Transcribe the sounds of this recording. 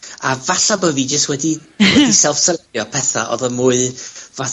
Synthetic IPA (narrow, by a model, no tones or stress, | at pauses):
avaɬabəviːd͡ʒəstwɛdiwɛdisɛlˠfsəljɔpʰɛθa̰ʔɔ̰ðəmuːɨva